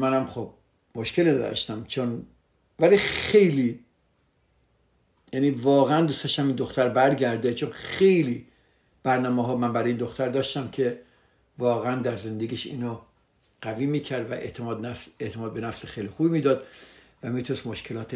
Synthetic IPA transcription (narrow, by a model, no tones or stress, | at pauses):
mænæmχob̚ | moʃkʰelinæd̪ɒ̰ʃt̪æmt͡ʃʰon | vælixe̞jli | jæniːvɒːɣeænd̪ust̪ɒʃæmind̪oxt̪æɾbæɾɟæɾd̪et͡ʃʰonxejliː | b̥æɾnɒːmeɦɒːmænbæɾɒːjind̪o̞xt̪æɾd̪ɒːʃt̪æmcʰe̞ | vɒːɣeænd̪æɾze̞nd̪eɡiːʃḭːno | ɡ̥æviːmiːcʰæɾd̪væʔet̪ʰɒd̪eʔt̪ʰemɒːd̪̚be̞næfsexejlixubimiːd̪ɒːd̪ | væmiːt̪ʰunest̪moʃkʰelɒːt̪ʰe